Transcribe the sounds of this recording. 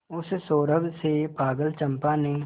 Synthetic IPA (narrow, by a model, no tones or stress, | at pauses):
ʊssoːɾəbsepaːɡəlt͡ʃɐ̃mpane